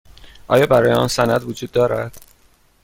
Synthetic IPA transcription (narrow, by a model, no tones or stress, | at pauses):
ʔɒ̰ːjɒːbæɾɒːjeɒ̰nsænæd̪vod͡ʒuːd̪ːɒːɾæd̪̥